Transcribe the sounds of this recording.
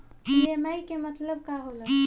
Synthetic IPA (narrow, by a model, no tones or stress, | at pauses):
bemaikemət̪ləb̚kaɦolə